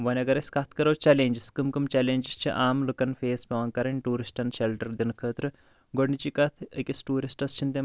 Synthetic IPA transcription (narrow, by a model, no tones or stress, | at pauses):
ʋɐnʲɐɡɐɾɐsʲkɐt̪ʰkɐɾɐwt͡ʃɐleːnʲd͡ʒiskɨmkɨmt͡ʃɛleːnʲd͡ʒist͡ʃʰiʔaːmlukɐnfeːspʲɐʋɐːnkɐɾɐnʲʈuːɾisʈɐnʃelʈɐɾd̪inkʰəːt̪ɾɨ | ɡoɽnit͡ʃikɐt̪ʰəkʲisʈuːɾisʈɐst͡ʃʰint̪e